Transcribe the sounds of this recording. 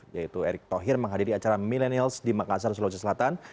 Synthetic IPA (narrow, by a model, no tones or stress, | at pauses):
jait̪ueɾɪk̚t̪oɦɪrməŋɦadiɾiat͡ʃaɾamilɛnialsdimakas̬ars̬lot͡ʃasəlat̪an